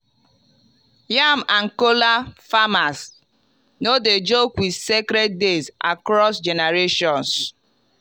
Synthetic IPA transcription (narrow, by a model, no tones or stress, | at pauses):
jamaŋ̩kolafamas | noded͡ʒokwidsekɾed̚dezʔa̰kɾɔsd͡ʒɛneɾeʃɔ̃ns